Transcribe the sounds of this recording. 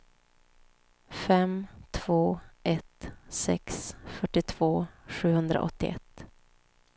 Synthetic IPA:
fɛmt̪ʰv̥oːʔɛt̪sɛ̰ksfœʈːɪt̪ʰv̥oːɧʉ̟ːhɵnd̪ɾa̰ʔɔ̰t̪ːɪ̰ʔɛ̰t̪ː

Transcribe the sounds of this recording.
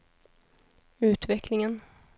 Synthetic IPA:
ʉ̟ːt̪vɛklɪŋən

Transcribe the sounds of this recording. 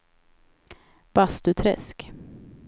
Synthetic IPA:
b̥ast̪ɵt̪ʰɾɛ̰sk

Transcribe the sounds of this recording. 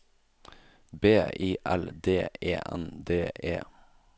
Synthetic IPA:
beːʔiːʔæ̰ld̪eːḛːʔɛ̰nd̪eːʔḛː

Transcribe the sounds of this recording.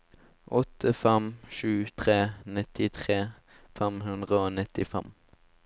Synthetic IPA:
ʔɔt̪ʰəfɛmʃʉːt̪ʰʁeːnɪt̪ɪt̪ʰʁeː | fɛmhʉnd̪ʁəoːnɪt̪ɪfɛm

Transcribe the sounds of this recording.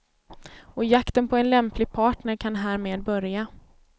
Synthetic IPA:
ɔjakt̪ənpʰɔɛnlɛmplɪɡ̚pʰɑːʈnəɾkʰanɦæːɾmeːd̪̚bœɾja

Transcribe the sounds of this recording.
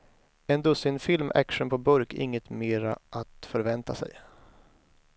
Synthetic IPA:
ɛnd̪ɵsɪnfɪlmʔæ̰kʂənpʰɔbɵɾkʔɪŋːət̪meːɾaʔat̪fœɾvɛnt̪asɛ̰j

